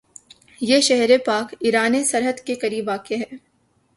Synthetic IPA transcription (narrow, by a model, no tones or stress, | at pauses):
jeːʃɛɦɾepaːkiɾaːnesɐɾɦəd̪kekɐɾiːbʋaːkeɦɛː